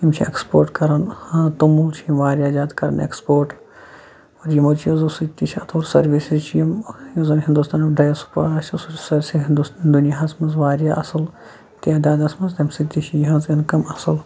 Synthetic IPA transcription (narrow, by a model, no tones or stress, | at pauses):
jimt͡ʃʰiekspoːɾʈkɐɾɐnhãt̪umult͡ʃʰiimʋaːɾʲjaːd͡ʒaːd̪kɐɾɐ̰nḛkspoːɾʈ | oːɾjimot͡ʃʰijozɐsit̪it͡ʃʰɐt̪ʰoːɾsɐɾʋisizt͡ʃʰjɐmjuzɐnɦind̪ust̪ʰaːnɐɖɐjɐsu̥pɐɐsɐsut͡ʃsɐɾsiɦind̪ust̪ːnd̪unijaɦɐsmɐzʋaːɾjaːʔɐsɨl | t̪ijaːd̪ʲaːd̪ɐsmɐzt̪ɐmsit̪ːit͡ʃʰijiɦɐ̃nzinkɐmɐsɨl